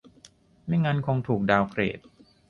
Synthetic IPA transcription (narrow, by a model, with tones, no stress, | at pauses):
ma˥˩jŋa˦˥nkʰo˧ŋt̪ʰuː˨˩k̚daː˧wkʰɾḛː˨˩t̪̚